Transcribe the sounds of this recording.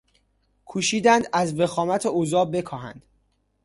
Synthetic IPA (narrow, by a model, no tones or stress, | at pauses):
kʰuːʃiːd̪ænd̪æzve̞xɒːmæt̪ʰeozɒːbe̞kʰɒːhæ̰nd̪̥